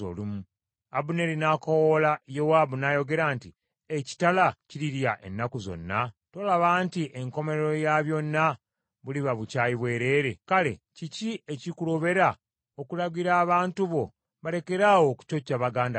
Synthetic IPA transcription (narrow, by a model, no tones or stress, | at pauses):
o̰lumu | abune̞ɾinakowolajowaːbunajo̞ɡe̞ɾaːnti | eci̥talaciɾiɾjaʔe̞̰nːakuzo̞̰nːato̞ːlaβaːntiʔeŋko̞me̞ɾeɾo̞jaβjo̞nːa | βuliβaβucaːjiβwe̞ːɾe̞ːɾe̞kale̞̰ciciecikulo̞βe̞ɾa | okulaɡiɾaːβaːntuβo̞ | βale̞ke̞ɾaːwo̞ku̥co̞cːaβaɡaːnda